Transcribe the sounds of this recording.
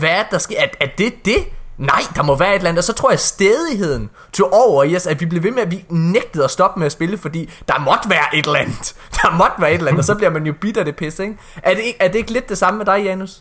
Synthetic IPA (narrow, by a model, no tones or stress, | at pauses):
ʋææɐdd̥ɑ̈sɡ̥e̝ææd̥e̝d̥e̝nɑ̈ɪ̰d̥ɑ̈mɒ̽ʋæːɐe̝d̥læn̩̥ˠɒ̽sɒ̽t͡sʰo̝ɐ̰jɑ̈sd̥eːð̞ˠiɦe̝ð̞̰ˠn̩ | t͡sʰo̝ʔɒʊ̰ɐiɒsæd̥ʋib̥le̝ʋe̝meæʋineɡ̥̚d̥ð̩ˠɒsd̥ɒ̽b̥meæsb̥e̝ləfɒ̽d̥ḭːd̥ɑ̈mɒ̽d̥ʋæːɐʔe̝d̥lænð̩ˠ | d̥ɑ̈mɒ̽d̥ʋæːɐe̝d̥læn̰̩d̥ɒsɒ̽b̥liɐmænjo̝b̥id̥æd̥e̝pʰesd̥əeɡ̥ | ʔæɐde̝ɡ̥æɐd̥e̝e̝ɡ̥le̝d̥̚ːe̝sɑ̈məmed̥ɑ̈ɪjænus